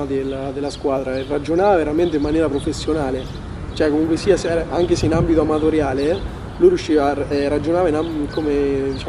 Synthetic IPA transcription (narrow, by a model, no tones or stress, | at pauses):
ad̪elad̪elːaskwaːd̪ɾaerːad͡ʒonaːvaveɾament̪̬eimːanjɛːɾapɾofesːjonaːle | t͡ʃoɛkːomuŋkwesiːasɛɾaaŋk̟eseinambit̪oamat̪oɾjaːle | lujɾjuʃːiːvaɛrad͡ʒonaːvainakomed̪it͡ʃa